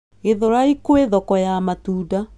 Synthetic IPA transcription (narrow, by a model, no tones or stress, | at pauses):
eðoɾaikoeðɔkɔjamatuːda